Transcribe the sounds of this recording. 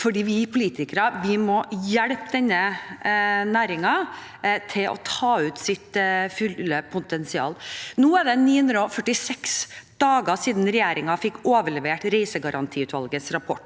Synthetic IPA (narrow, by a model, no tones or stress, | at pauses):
fɔɖiːʋɪpʰʊliːt̪ʰɪkəɾɑʋɪmɔjɛɽpd̪ɛnːə | næːɾɪŋɑ | t̪ʰɪlʔɔ̰t̪ʰɑːʉːt̪sɪt̪fʉlːəpʰʊt̪ɛnsɪɑ̰ːlnuːɛɖɛniːhʉnd̪ɾəɔfœʈːɪsɛksd̪̥ɑːɡəsiːd̪nɾɛjeːɾɪŋɑfɪkːoːʋəɭɛʋeːʈɾɛɪsəɡɑɾʔɑnt̪ʰiːʉːt̪ʋɑ̰lɡəsɾɑpʰɔʈː